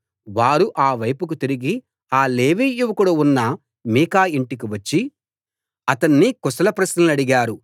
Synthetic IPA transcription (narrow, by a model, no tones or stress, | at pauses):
ʋaːɾuʔaːʋɐjpuk̬ut̪iɾiɡi | aːleːʋiːjuʋɐkuɽuunːɐ | miːkaːiɳʈik̬iʋɐt͡ʃːi | ɐt̪ɐnːikɔsɐlɐpɾɐsnɐlɐɽiɡaːɾu